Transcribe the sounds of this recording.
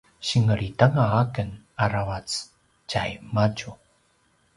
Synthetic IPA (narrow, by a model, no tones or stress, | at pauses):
ɕiŋəɾitaŋaːkən | aɾawat͡s | ca̰jmacu